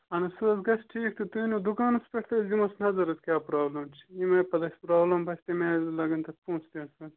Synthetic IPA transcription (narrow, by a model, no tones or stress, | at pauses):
ɐnɐsuɐsɡɐsʈʰiːk̚t̪ʰut̪uinod̪ukaːnɐspeʈʰt̪ɐzimɐsnɐzɐɾɐt̪kʲjaːpɾaːblɐmt͡ʃʰi̥imɐpɐd̪ɐsʲpɾaːblɐmpɐsʲt̪emelɐɡɐnt̪ɐt̪̚pũːst̪iɐsɐt̪